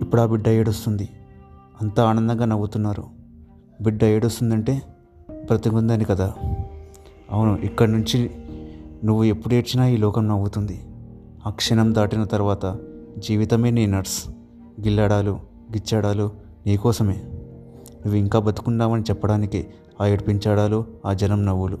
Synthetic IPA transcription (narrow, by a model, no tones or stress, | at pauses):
ipːuɽaːbiɖːɐjeːɽust̪und̪iɐnt̪aaːnɐnd̪ɐŋɡaːnɐwːut̪unːaːɾṵ | biɖːɐjeːɽust̪und̪ɐɳʈe̞ː | bɾɐt̪ɐŋkund̪ɐːnikɐd̪aː | ɐʋunuʔikːɐɽɐnuɲt͡ʃi | nuʋːue̞pːuɽe̞ːɾt͡ʃːinaːiːlɔːkɐmnɐwːut̪und̪i | akʂɐnɐmd̪aːʈinɐt̪ɐɾuʋaːt̪ɐ | d͡ʒiːʋit̪ɐmeːniːnɐɾs | ɡilːaːɽaːlu | ɡit͡ʃːaːɽaːlu | niːkɔːsɐme̞ː | nuʋːuiŋkaːbɐt̪i̥kuɳɖaːmɐnit͡ʃɛpːɐɽaːniki | aːjeɽipiɲt͡ʃaːɽaːluaːd͡ʒɐnɐmnɐʋːulu